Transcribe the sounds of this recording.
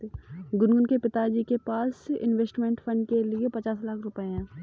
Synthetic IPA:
ɡʊnɡʊnkepɪt̪ad͡ʒikepaːsɪ̰nʋeːsʈmẽːɳʈfʰə̃ɳɖ̚keliepɐt͡ʃaːslaːkʰɾʊpəɦɛ̃ː

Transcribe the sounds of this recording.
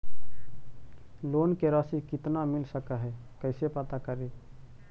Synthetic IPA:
lonkeɾasikit̪namilsəkəɦɛkəɪsepət̪akəɾi

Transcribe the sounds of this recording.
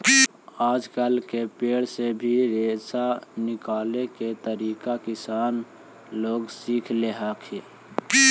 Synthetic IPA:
aːd͡ʒkəlkepeːɽsebʱiɾeːsanɪkaːleket̪əɾiːkakɪsaːn | loːɡsiːkʰleɦakʰe

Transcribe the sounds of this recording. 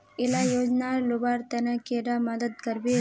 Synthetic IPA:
ilajoːd͡ʒnalubaːɾt̪ɐnɐkeːɾamɐd̪əd̪̚kɐɾbi

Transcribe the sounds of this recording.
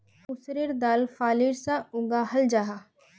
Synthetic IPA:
ʊsɾiɾd̪aːlfaːlɪɾsãʊɡaɦɐld͡ʒaɦa

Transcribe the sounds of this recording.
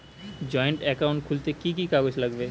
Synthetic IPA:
d͡ʒɔːeɳʈɛkaʊ̃ɳʈ̚kʰult̪ekik̬ikaɡot͡ʃləɡbeː

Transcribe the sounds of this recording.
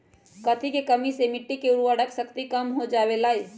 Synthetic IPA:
kɐt̪ʰikekɐmisemɪʈːikeʊɾuəɽəksɐkt̪ikəmɦod͡ʒaːwelaːe

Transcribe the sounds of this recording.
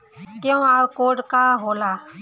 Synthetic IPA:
ɡɛw̃aɾkoɖkaɦola

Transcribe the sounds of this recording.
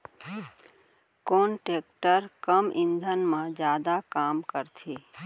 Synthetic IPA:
koːnʈeːk̚ʈəɾkəmʔɪ̃nd̪ʱənmãd͡ʒjaːd̪akaːmkəɾt̪ʰiː

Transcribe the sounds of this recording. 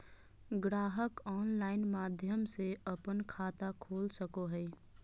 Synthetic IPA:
ɡɾaːɦəkɔːnlaːɪnmaːd̪ʱjəmseəpənkʰaːt̪akʰoːlsəkoɦəj

